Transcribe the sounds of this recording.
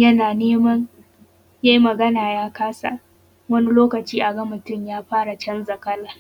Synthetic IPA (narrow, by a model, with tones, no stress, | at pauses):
jɐ˦naː˨neː˦mɐ˦n | jaː˦ji˦mɐ˨ɡɐ˦naː˨jaː˦kaː˦sa̰˨ | wɐ˦ni˦loː˦kɐ˨t͡ʃiː˦ʔa˨ɡɐ˦mʊ˨tʊ˦˨mjaː˦ɸaː˦ɽa˨t͡ʃɐ˦nzɐ˨kɐ˦laː˨